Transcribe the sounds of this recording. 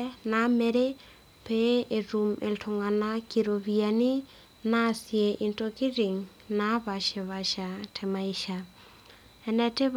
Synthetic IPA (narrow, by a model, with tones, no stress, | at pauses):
na˨˦mɛ˨ɾe˦ | pe˦e˨ɾu˨mḛ˨ltʰo˨ŋa˨na˦kiɾo˨βia˨ni˦ | na˦sje˨ʔi˨ntoki˦ɾi˨ŋ | na˦βa˨ʃe˨βa˨ʃa˨tʰɛ˨ma˨i˨ʃa˨ | ɛ˨nɛte˦β